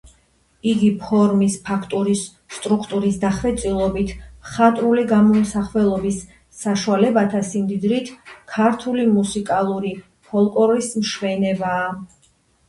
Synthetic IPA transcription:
iɡipʰɔɾmispʰakʰt̪ʼuɾisː | t̪ʼɾukʰt̪ʼuɾisd̪aχvɛt̪sʼilˠɔbit̪ʰχat̪ʼɾuliɡamɔmsaχvɛlˠɔbisː | aʃualɛbat̪ʰasimd̪id̪ɾit̪ʰkʰaɾt̪ʰulimusikʼalˠuɾi | pʰɔlˠkʼɔlismʃvɛnɛbaː

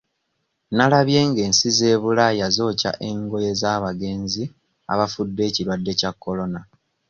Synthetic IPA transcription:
nalaβje̞ːŋɡe̞ːnsize̞ːβulajazo̞ːca̰ʔe̞ŋɡo̞je̞zaːβaɡe̞ːnzi | a̰βafudːe̞ːciɾwadːe̞cakːo̞lo̞na

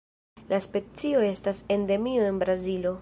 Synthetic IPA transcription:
laspe̞t͡sio̞e̞stase̞nde̞mio̞e̞nbɾazilo̞

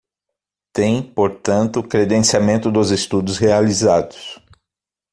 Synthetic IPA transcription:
t̪ẽj̃poɾt̪ɐ̃nt̪ʊkɾed̪ẽsiamẽnt̪ʊd̪ʊzest̪ud̪ʊshealizad̪ʊs

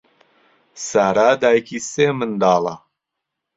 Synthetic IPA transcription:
saːɾaːd̪aːjkʰiseːmɨnd̪aːla

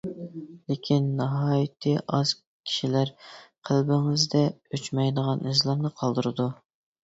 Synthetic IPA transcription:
lekʲʰinːɑɦɑːjit̪ʰɨʔɑz̥ | kʲʰi̥ʃilæɾqʰəlbɪŋɪzd̪ɛøt͡ʃmɛjd̪əʁɑnʔizlˠɑmnɨqʰɑlˠd̪ɨɾɨd̪u

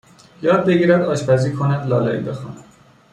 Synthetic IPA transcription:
jɒːd̪̚be̞ɡiːɾæd̪ɒːʃpæziːkʰonæd̪lɒːlɒ̰ḭbexɒ̰ːnæd̪

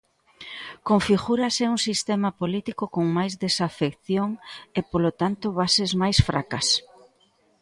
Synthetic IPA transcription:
koŋfiɣuɾɐsɛuŋsist̪ɛmɐpolit̪ikokoŋmajzðesafekθjoŋepolot̪ant̪oβasezmajsfɾakɐs

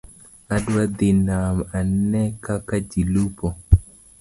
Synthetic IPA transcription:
adwad̪inamanːɛkakad͡ʒilupɔ

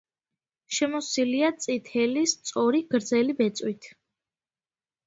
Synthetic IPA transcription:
ʃɛmɔsiliat̪sʼit̪ʰɛlist̪sʼɔɾiɡ̥ɾd̪zɛlibɛt̪sʼwit̪ʰ

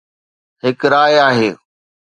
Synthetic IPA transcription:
ɦɪkɾaːjaːɦeː

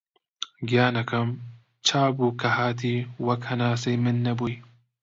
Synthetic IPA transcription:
ɡjaːnɐkʰɐm | t͡ʃʰaːbuːkʰɐhaːt̪̬ʰiːwɐkhɐnaːsejmɨnːɐbuj

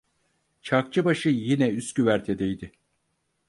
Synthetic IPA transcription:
t͡ʃʰak̚t͡ʃʰɯbaʃɯjinɛyscyvæɾt̪ʰed̪ejd̪ɪ

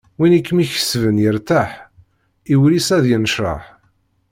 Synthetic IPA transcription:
winikːmiçə̥svənjəɾt̪aħ | iwlisæðjənəʃɾˤɑ̰ħ

